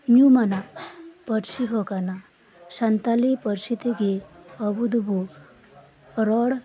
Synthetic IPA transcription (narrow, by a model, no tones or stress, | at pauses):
mjumanapəɾʃiɦokana | ɕant̪alipəɾʃit̪eɡeəbud̪bʱo | ɾɔɽ